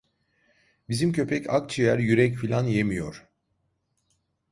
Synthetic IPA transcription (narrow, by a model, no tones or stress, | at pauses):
bizimcʰø̞pʰɛcʰa̰k̚t͡ʃʰijæɾjyɾɛcfilʲanje̞mijo̞̰ɾ̥